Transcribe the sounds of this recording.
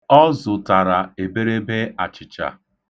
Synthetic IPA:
ɔ˦zʊ˨ta˨ɾa˨e˨be˦ɾe˦be˦a˨t͡ʃɪ˨t͡ʃa̰˨

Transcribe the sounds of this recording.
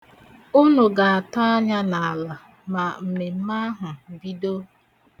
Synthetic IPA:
u˦nʊ˨ɡa˨a˨ta˦a˦ɲa˦na˨a˨la˨ | ma˨m̩˨me˨m̩˦ma˦ɦʊ˨bi˦do˦

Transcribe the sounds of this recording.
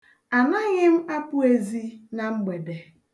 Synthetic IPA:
a˨na˦ɣɪ˦m̩˦a˦pʊ˦e˦zi˦na˨ŋ͡m̩˦ɡ͡be˨de˨

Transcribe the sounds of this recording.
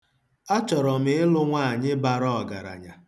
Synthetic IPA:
a˦t͡ʃɔ˨ɾɔ˨m̩ɪ˦ɪ˦lʊ˦ŋʷa˦˨a˨ɲɪ˦ba˨ɾɔ˦ɔ˨ɡa̰˨ɾa̰˨ɲa˨

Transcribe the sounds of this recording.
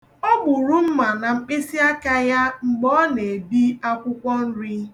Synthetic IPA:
ɔ˦ɡ͡bʊ˨ɾʊ˦m̩˦ma˨na˨ŋ͡m̩˦k͡pe˦si˦a˦ka˦ja˦ŋ͡m̩˨ɡ͡bɔ˦ne˨e˨bi˦a˦kʷʊ˦kʷɔ˦n̩˦ɾɪ˦

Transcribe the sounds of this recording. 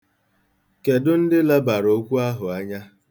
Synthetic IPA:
ke˨dʊ˦n̩˦dɪ˦la˦ba˨ɾo˦kʷu˦a˦ɦʊ˨a˦ɲa˦

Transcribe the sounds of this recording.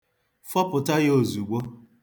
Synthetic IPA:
fɔ˦pʊ˨ta˦jo˨zu˨ɡ͡bo˦

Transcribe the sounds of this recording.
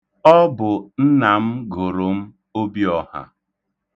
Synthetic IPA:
ɔ˦bʊ˨n̩˦na˨m̩˦ɡo˨ɾo˨m̩˦ | o˦bi˦ɔ˨ha̰˨

